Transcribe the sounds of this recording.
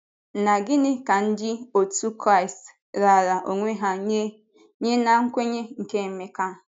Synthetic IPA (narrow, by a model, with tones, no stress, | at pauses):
na˨ɡɪ˦nɪ˦ka˨n̩˦d͡ʒɪ˦o˨tu˦kɾa˦ɪ˨st | ɾa˨ɾa˨ʔo˨ŋʷe˦ɦa˦ | ɲe˦na˨ŋ̩˦kʷe˦ɲe˦ŋ̩˨ke˦m̩˦me˦ka˦˨